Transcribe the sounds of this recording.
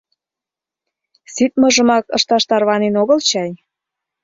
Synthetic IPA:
sit̪̚mɤ̆ʒə̆mɑkɤ̰ʃt̪ɑʃt̪ɑrβɑnenoɣəlt͡ɕɑj

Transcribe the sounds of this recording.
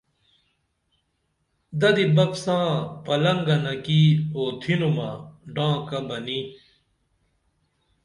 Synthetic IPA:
d̪ɐd̪ibɐpsãːpɐlɐŋɡɐnɐkioːt̪ʰinumaɖãːkɐbɐni

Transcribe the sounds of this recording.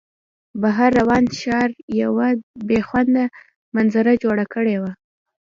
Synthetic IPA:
baɦaɾːawɑnʃɑɾjawabexwand̪a | manzaɾad͡ʒoɽakəɽewa

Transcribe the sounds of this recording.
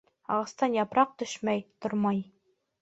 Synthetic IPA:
ɑ̰ʁɑ̆st̪ɑnjɑpɾɑq̚t̪ɵʃmæjt̪oɾmɑj

